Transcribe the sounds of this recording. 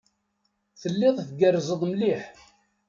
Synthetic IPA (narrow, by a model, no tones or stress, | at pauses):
θəlːɪðˤθɡərˤːzəðˤmliħ